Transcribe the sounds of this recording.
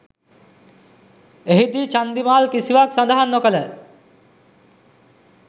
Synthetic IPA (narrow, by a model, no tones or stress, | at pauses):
eɦid̪iːt͡ʃand̪imaːlkisiʋaksand̪əɦanːokələ